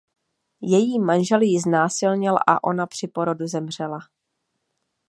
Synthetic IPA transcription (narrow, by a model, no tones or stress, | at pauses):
jɛjiːmanʒɛljɪznaːsɪlɲɪlʔa̰ʔo̞napr̝̥ɪpo̞ɾo̞duzɛmr̝̥ɛla